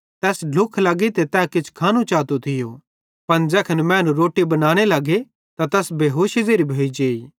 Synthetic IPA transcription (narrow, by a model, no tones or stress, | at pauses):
t̪ɛːsɖʱʊkʰlɐɡit̪et̪ɛːkɪt͡ʃʰkʰaːnut͡ʃaːt̪ot̪ʰɪjo | pɐnd͡ʒɛːkʰɐnmɛ̃ːnũɾoːʈibɐnaːɽ̃elɐɡe | t̪at̪ɛːsbeːɦoːʃizeːɾibʱeːid͡ʒeːi